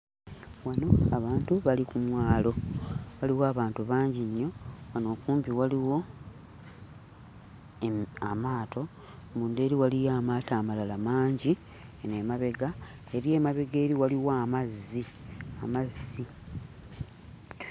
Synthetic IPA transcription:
wano̞aβaːntuβalikumwaːlo̞βaliwoaːβaːntuβaːɲɟiɲːo̞wano̞ːkuːmpiwaliwo̞ | amaːtʰo̞ | muːnde̞ːɾiwalijaːmaːtaːmalalamaːɲɟi | nemaβe̞ɡa | e̞ɾie̞ːmaβe̞ɡe̞ːɾiwaliwaːmazːi | amazːi

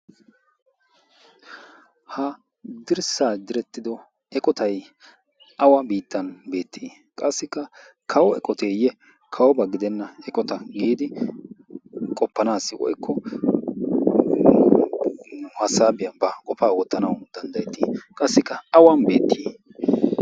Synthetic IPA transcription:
hɐ | d̪ɪɾsaːd̪ɪɾɛt̪ːɪd̪ɔ | ɛkʼɔt̪ɐj | ʔɐwɐbiːt̪ːɐnbe̞ːt̪ʰːiː | kʼɐsːɪkːɐ | kʰɐwɔɛkʼɔt̪eːjɛ | kʰɐwɔbɐɡɪd̪ɛnːɐɛkʼɔt̪ɐɡiːd̪ɪ | kʼɔpːɐnaːsːɪwɔ̰jkːɔ | hɐsaːbɪjɐbɐkʼɔfaːwɔt̪ːɐnɐwd̪̥ɐnd̪ɐjɛt̪ːḭːkʼɐsːɪkːɐɐwɐnbe̞ːt̪ːiː

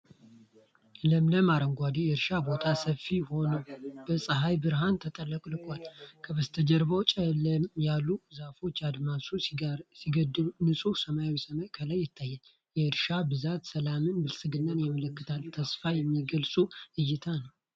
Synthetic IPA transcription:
ləmləmaɾəŋɡʷad̪ijɛɨɾʃabo̞t̪ʰasəfːiho̞nəwb̥əsʼɨɦajbɨɾɦant̪ʰət̪ʼəlːəkʼlɨkʼʷalkʰəβəst̪ʰəd͡ʒəɾbəwt͡ʃʼɛləmjalːuzafo̞t͡ʃːad̪masusiɡəd̪ːɨlunɨsʼusəmajawisəmajkʰəlajːɪt̪ʰːajːɛn | jɛɨɾʃabɨzat̪səlamɨnbɨlsʼɨɡɨnːanjamələkːɨt̪ʰalt̪ʰəsfajɛmːiɡəlsʼuɨjːɪt̪ʰanəw

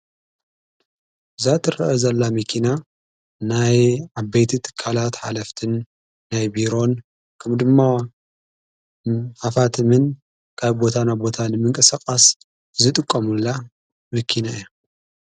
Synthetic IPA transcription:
zat̪ʰɨɾɐʔɐzɐlːamɐkʰina | najʕabejt̪ʰit̪ʰɨ̥kʰːalat̪ħa̰lɐft̪ʰɨnː | ajbiɾo̞n | kʰɐmd̪ɨmːa | ħafat̪ʰɨmɨn | kʰaβbo̞t̪ʰanabo̞t̪ʰanɨmɨŋkʼɨsakʼas | zɨt̪ʼɨkʼːɐmulːa | mɨkʰinaija

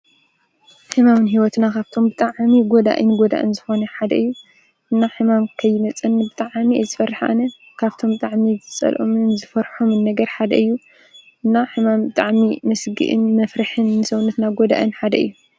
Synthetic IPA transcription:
ħɨmamɨnɦiwɔt̪nakʰaβt̪ʰo̞mbɨt̪ʼaʕmiɡod̪a̰ʔɨ̰nɡod̪a̰ʔɨ̰nzɨxo̞nɐħad̪ɐɨjːu | ʔɨnːaħɨmamkʰɐjːɪmɐt͡sʼɐnbɨt̪ʼaʕmizɨfɐrːħa̰nɐ | kʰaβt̪ʰo̞mbɨt̪ʼaʕmizɨt͡sʼɐ̰lʔomɨnzɨfɐɾħomɨnːɐɡɐɾħad̪ɐ̰ʔɨjːu | ʔɨnːaħɨmambɨt̪ʼaʕmimɐsɡɨ̰ʔɨ̰nmɐfɾɨħɨnːɨsɐwnɐt̪naɡod̪a̰ʔɨnħad̪ɐɨ̰jːu

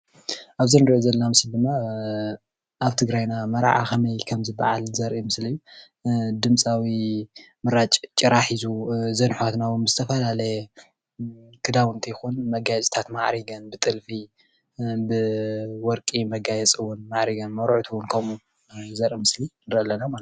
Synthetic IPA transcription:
ʔaβzinɨɾʔozɐlɐnamɨsld̪ɨmːa | ʔaβt̪ʰɨɡɾajnamɐɾa̰ʕa̰kʰɐmɐjkʰɐmzɨba̰ʕalzɐɾʔimɨslijːu | d̪ɨmt͡sʼawi | mɨɾat͡ʃʼt͡ʃʼɨɾaħizuzɐnħat̪nawunzɨt̪ʰɐfɐlalɐjɛ | kʰɨd̪awɨnt̪ʰijɪxunmɐɡajt͡ʃʼit̪ʰat̪maʕɾiɡɐnbɨt̪ʼɨlfi | bɨwɔɾkʼimɐɡajɛt͡sʼɨwʊnmaʕɾiɡɐnmɐɾʕt̪ʰuwʊnkʰɐmu | zɐɾʔimɨslinɨɾɐlːɐnamal

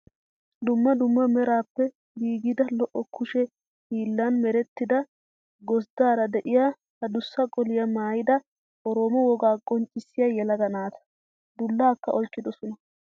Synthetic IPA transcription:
d̪ʊmːɐd̪ʊmːɐmɛɾaːpːɛ | biːɡɪd̪ɐlɔʔːɔkʰːʊʃɛ | hiːlːɐnmɛɾɛt̪ːɪd̪ɐ | ɡɔsd̪aːɾɐd̪ɛʔɪja | hɐd̪ʊsːɐkʼɔlɪjɐmaːjɪd̪ɐ | ʔɔɾoːmɔwɔɡaːkʼɔnt͡ʃʼːɪsːɪjɐjɛlɐd̪ɐnaːt̪ʰɐ̥ | d̪ʊlːaːkːɐʔɔlt͡ʃːɪd̪ɔsʊnɐ

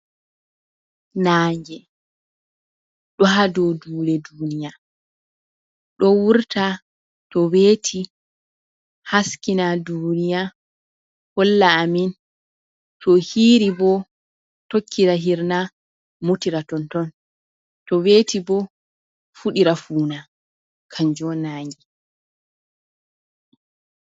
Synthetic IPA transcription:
naːŋɡɛ | ɗɔɦadɔduːlɛduːnija | ɗɔwuɾta | tɔweːtʰi | haskinadunija | hɔlːaːmin | tɔhiːɾibɔ | tokʰːiɾaɦiɾna | mutiɾatɔntɔn | tɔwetibɔ | fuɗiɾafuːna | kʰaɲd͡ʒɔnaŋɡi

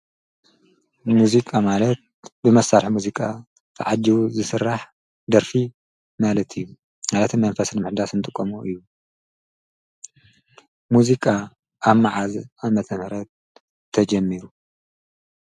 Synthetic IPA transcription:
muzikʼamalɐt̪̚bɨmɐsaɾħmuzikʼa | t̪ʰɐʕad͡ʒːiwuzɨsɨɾːaħ | d̪ɐɾfi | malɐt̪ʰɨjːu | malɐt̪ʰɨmɐnfɐsnmɨħd̪asɨnt̪ʼɨkʼːomuʔɨjːu | muzikʼa | aβmaʕazamɐt̪ʰɐmhɾɐt̪ʰː | ɐd͡ʒɐmːiɾu

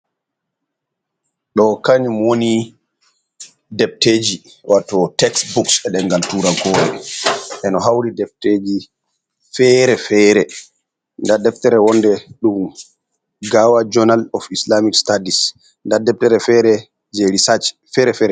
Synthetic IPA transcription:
ɗɔkaɲumwoni | dɛp̚teːd͡ʒi | watɔtɛksbuksɛɗɛŋɡaltuːɾaɡɔːɾɛ̰ʔɛnɔɦawɾidɛp̚teːd͡ʒi | fɛɾɛfɛːɾɛ | ndadɛftɛɾɛwɔndɛɗum | ɡawad͡ʒɔnalɔfislamikstadis | ndadɛp̚tɛɾɛfɛɾɛ | d͡ʒeɾisad͡ʒfɛɾɛfɛɾɛ

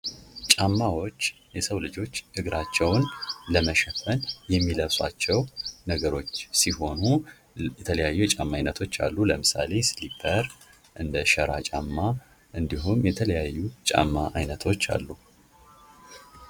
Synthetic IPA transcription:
t͡ʃʼamːawo̞t͡ʃː | jɛsəwlɨd͡ʒo̞t͡ʃːʔɨɡɾat͡ʃːɛwnləməʃɛfənjɛmːiləβsa̰t͡ʃːɛwnəɡəɾo̞t͡ʃːsiɦo̞nu | jɛt̪ʰələjajːuɛt͡ʃʼamːajnət̪ʰo̞t͡ʃːa̰lːuləmɨsa̰le̞slipʰəɾ | ʔɨnd̪əʃəɾa̰t͡ʃʼamːa | ʔɨnd̪iɦumjɛt̪ʰələjajːut͡ʃʼa̰mːaʔajnət̪ʰo̞t͡ʃːa̰lːu

